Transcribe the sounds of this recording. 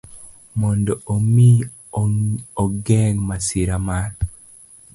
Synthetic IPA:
mɔndɔʔomi | oɡɛŋmasɪɾamal

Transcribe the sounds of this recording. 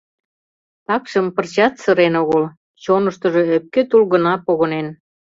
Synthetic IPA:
t̪ɑkʃə̆mpərt͡ɕɑt̪sə̆ɾenoɣəl | t͡ɕonəʃt̪ə̆ʒɤ̽øp̚ket̪ulɣə̆nɑpoɣənen

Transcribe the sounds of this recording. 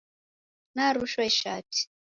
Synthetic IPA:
naɾuʃwaiʃa̰ːtʰi̥

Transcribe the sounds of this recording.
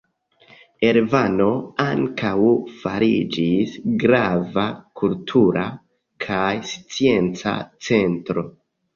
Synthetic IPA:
eɾvano̞aŋkawfaɾid͡ʒisɡɾavakʰultʰuɾa | kʰajst͡sie̞nt͡sa̰t͡se̞ntɾo̞

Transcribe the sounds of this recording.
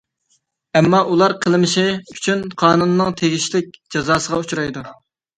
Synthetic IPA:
ɛmːɑʔulˠɑɾqʰəlˠɨmɪʃɪyt͡ʃʰynqʰɑːnunːɨŋt̪ʰeɡʲiʃlɪk̚ʲd͡ʒɑzɑːsəʁɑut͡ʃuɾɑjd̪u

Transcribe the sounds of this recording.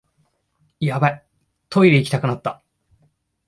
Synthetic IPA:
jabai | t̪ʰo̞ijɯikʲi̥t̪akɯ̟nat̪ːa

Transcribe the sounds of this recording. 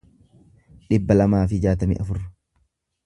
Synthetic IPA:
ᶑɪbːɐlɐmaːfɪd͡ʒaːt̪ɐmɪ̰ʔɐfʊrːɐ̥

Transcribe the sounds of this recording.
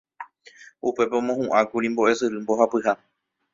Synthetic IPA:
upe̞peõmõhũʔãkuɾimbo̞ʔe̞sɨɾɨmbo̞ɦapɨha

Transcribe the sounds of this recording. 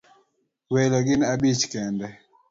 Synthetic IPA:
wɛlɔɡɪnabit͡ʃkɛndɛ

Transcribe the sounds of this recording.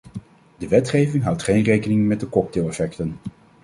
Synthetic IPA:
dəʋɛtχejvɪŋɦʌwtχejnrejkənɪŋmɛt̚dəkɔk̚teːlˠɛfɛktən

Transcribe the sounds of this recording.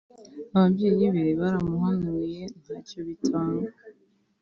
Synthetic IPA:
aβabɟiɾiβeβaɾamuhanuje̞n̥haːcoβitʰaːŋɡa

